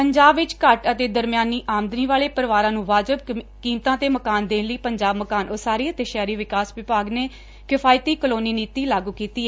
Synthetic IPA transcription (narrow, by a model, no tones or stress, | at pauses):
pəɲd͡ʒaːbʋɪt͡ʃkəʈət̪eːd̪əɾmjaːnːiːʔaːmd̪niːʋaːɭeːpəɾʋaːɾãːnũːʋaːd͡ʒəb̚kiːmt̪ãːt̪eːməkaːnd̪ẽːnləiːpəɲd͡ʒaːbməkaːnosaːɾiːət̪eːʃɛːɾiːʋɪkaːsʋɪpaːɡneː | kɪpʰaːjt̪iːkəloːniːniːt̪iːlaːɡuːkiːt̪iːɛː